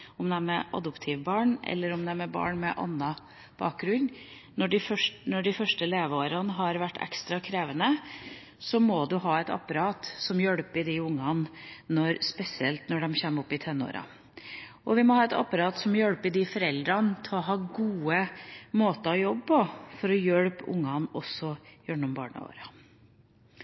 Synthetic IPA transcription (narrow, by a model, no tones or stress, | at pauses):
ɔmd̪ɛæmɛʔɑ̰d̪ɔpt̪ʰɪʋbɑːɳʔɛ̰lːəɾɔmd̪ɛæmɛbɑ̰ːɳmɛʔɑ̰nːɑ | b̥ɑ̰ːk̚ɡɾʉɲ | nɔɖɪfœʂnɔɖɪfœʂʈəleːʋəoːɾɑnəɦɑɾʋæʈːɛ̰kst̪ɾɑkʰɾeːʋənə | sɔmɔd̪ʉɦɑːɛt̪ɑ̰pːɑɾɑːt̪sɔmjœɽpɪd̪ɪʊŋːɑnnɔɾspɛsɪɛ̰lt̪nɔɖɛmçeːmɔpːɪt̪ʰɛnːo̰ːɾɑ̰ | ʔɔʋɪmɔhɑːɛt̪ɑ̰pːɑɾɑːt̪sɔmjœɽpɪd̪ɪfɔɾɛld̪ɾɑnt̪ʰɪɔɦɑːɡuːəmoːt̪əɾɑjɔbpɔfɔɾɔjœɽpʊ̰ŋːɑnɔsːɔjœɳɔmbɑ̰ːɳə̰o̰ːɾɑ